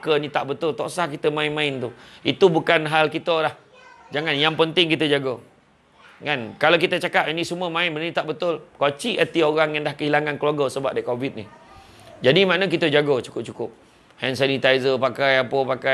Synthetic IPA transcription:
kənit̪aʔbət̪ʊlt̪ɔʔsahkit̪əmaɪnmãɪnt̪uit̪ubukanɦalkit̪əlah | d͡ʒaŋanjaŋpənt̪ɪŋkit̪əd͡ʒaɡo | kankalak̬it̪ət͡ʃakapinĩsəmuəmãɪnbənənit̪aʔbət̪ʊlkat͡ʃiʔət̪ioɣaŋjaŋdahkəɦilaŋankəluaɡosəba̰p̚daikobɪt̪̚nḭ | d͡ʒadimaʔnək̬it̪əd͡ʒaɡot͡ʃu̥kʊp̚t͡ʃukʊp̚ | hɛnsanit̪ajzəpakajapəpaka

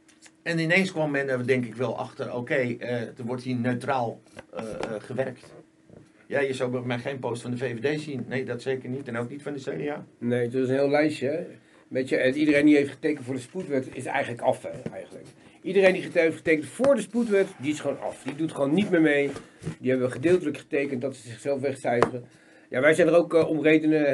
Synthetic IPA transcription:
ɛnɪneːnskʋommɛndɔʋədɛŋkɪkʋɛlˠɑ̰xtəro̰ːkejədəʋɔrthiːnøɥtraːlˠ | χəʋɛrkt | jajəsawbəmɛjχeːnpoːstfɔndəfeːvedeːsinːeːdɔtseːkərnitɛnoknitfɔndəseːriaːnejdɔtɪs̬ənɦɪːlˠlɛjʃə | mɛtəɛnidərejndiɦejftχə̥tejkəntfʊːɹdəsputʋɛtɪ̰sɛ̰jχənləkɑfɛɛ̰jχənlə̰kidərejndiχəteftχə̥tejkəntfʊːɹdəsputʋɛtdiɪsχəʋownɑ̰fdidutχəʋonːitmɪːɹmejdiɛbəʋəχədɪːlˠtələkχə̥tejkəntdɑtsəzɪχsɛlˠfʋɛχsɛɥvərə | jaʋɛjzɛjndərowkɔmrejdənə

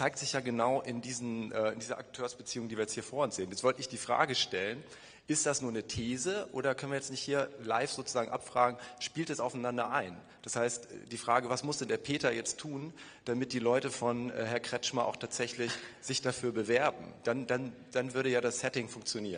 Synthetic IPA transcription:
t͡saɪktz̥ɪçjaːɡənaʊʔɪndiːzn̩ʔɛːɪndiːzɐʔa̰k̚tʰøːɐsb̥ət͡siːʊŋdiːviɐjɛt͡sthiːɐfoːɐʊnsz̥eːnjɛt͡svɔltəɪçd̥iːfʁ̥a̰ːɡəʃtɛlən | ʔɪst̚d̥asnuːɐnətʰeːzəʔo̰ːɾɐkʰœnviɐjɛt͡stnɪçthiːɐla̰ɪfz̥oːt͡suzaːɡŋ̩ʔapfʁ̥aːɡŋ̩ʃpiːltɛsaʊfanandɐʔaɪn | d̥ashaɪstɛ̰d̥iːfʁ̥aːɡəvasmʊsd̥ɛndeːɐpʰeːtɐjɛt͡stʰuːn | d̥amɪt̚d̥iːlɔʏtəfɔnʔɛ̰ːɦɛɐkʁ̥ɛt͡ʃmaʔa̰ʊxtʰaːtz̥ɛçlɪçz̥ɪçd̥afyːɐbəvɛɐbm̩d̥andan | d̥anvʏɐɾəjaːdasɛtɪŋfʊŋkt͡sjoniːɐʁən

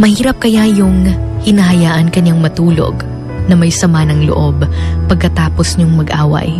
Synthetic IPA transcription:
mɐhiːɾɐp̚kɐjajʊŋhɪnɐhɐjaːʔɐnkɐɲːaŋmɐt̪uːlo̰ɡ | nɐmɐjsɐmanɐŋlo̰ʔo̞bpɐɡ̚kɐt̪aːposɲoŋmɐɡʔaːwɐ̰j

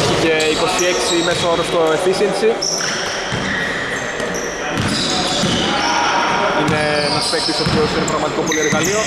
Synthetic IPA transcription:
çice̞iko̞sieksimesooɾost̪oefisinsi | ine̞nɐspek̚t̪iso̞piosinepɾɐɣmɐt̪ikopo̞lieɾɣɐlio̞

